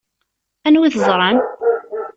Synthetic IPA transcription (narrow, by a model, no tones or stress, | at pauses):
ænwiðəzˤɾˤɑn